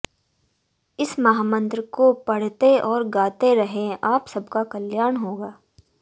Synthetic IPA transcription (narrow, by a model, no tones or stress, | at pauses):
ɪsmɐɦaːmə̃nt̪ɾəkopɐɽ̤t̪eɔːɾɡaːt̪eɾɐɦẽaːpsɐbkakɐljaːɾɳɦoːɡaː